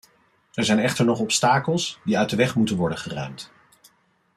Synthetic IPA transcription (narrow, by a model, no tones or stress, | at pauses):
ɛɹzɛjnɛχtəɹnɔχɔpstaːkəlˠsdiœɥtdəʋɛχmutənʋɔɹdəχərœ̰ɥmt